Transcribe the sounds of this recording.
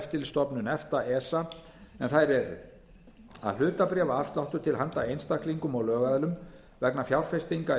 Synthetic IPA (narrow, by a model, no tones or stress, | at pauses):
ft̪ːɪlst̪ɔpnʏnɛft̪aʔɛːsa | ɛnθajɾɛɾ̰ | a̰ðlʏːt̪apɾɛːvaafst̪laht̪ʏt̪ʰɪlhant̪aejnst̪akliŋkʏmɔɣlœːɣaðlʏm | vɛknafjawɾ̥fest̪iŋka